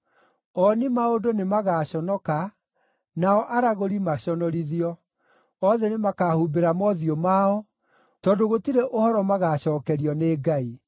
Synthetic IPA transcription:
ɔnimaodonemaɣaːɕɔnɔka | naɔʔaɾaɣoɾimaɕɔnɔɾiðiɔ | ɔðɛnemakahubeɾamɔðiɔmaɔ | tɔdoɣotiɾeʔohɔɾɔmaɣaːɕɔːkɛɾiɔneːɡai

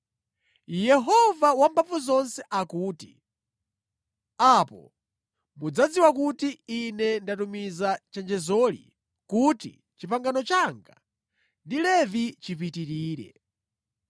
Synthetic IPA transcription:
jɛɦɔvawambavuzɔnsɛʔakuːtḭ | apɔ̰ | mud͡zad͡ziwakutiːnɛndatumizat͡ʃɛnd͡ʒɛzɔlḭ | kutḭ | t͡ʃipaŋɡanɔt͡ʃaŋɡa̰ | ndilɛvit͡ʃipitiɾiːɾɛ̰

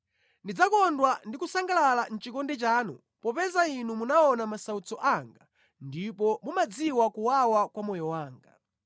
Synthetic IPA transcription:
ndid͡zakɔndwandikusaŋɡalalan̩t͡ʃikɔndɛt͡ʃaːnu | pɔpɛzainumunaɔnamasaut͡sɔʔaŋɡa | ndipɔmumad͡ziwakuwawakwamɔjɔwaːŋɡa

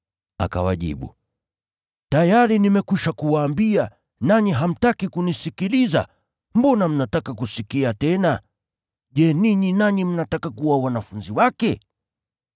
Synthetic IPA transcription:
a̰ka̰wa̰ʄḭɓṵ | tajaɾinimɛkiʃakuwaːmbia | naɲiɦam̩takikunisikiliza̰ | mbɔnam̩natakakusikiatɛna | ʄɛniɲinaɲim̩natakakuwawanafunziwakɛ

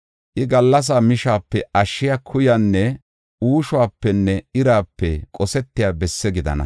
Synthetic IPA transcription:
ʔɪɡɐlːɐs̬aːmɪʃaːpːɛɐʃːɪjakʰʊjanːɛ | uːʃʊwaːpːɛnːɛɪɾaːpːɛkʼɔsɛt̪ːɪjaːbɛsːɛɡɪd̪ɐ̰nɐ̰

